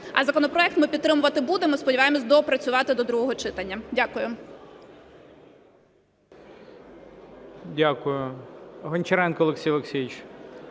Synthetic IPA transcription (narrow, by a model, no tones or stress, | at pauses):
ɐzɐkɔnɔpɾɔɛk̚t̪mɪpʲit̪t̪ːɾɪmʊʋɐt̪ɪbud̪emɔspɔdʲiʋɑjemɔsʲd̪ɔpɾɐt͡sʲʊʋɑt̪ɪd̪ɔd̪ɾuɦɔɦɔt͡ʃɪt̪ɐnʲːɐdʲakʊjʊ | dʲakʊjʊɦɔnʲt͡ʃɐɾɛnkɔlˠeksʲijlˠʲeksʲijɪt͡ʃ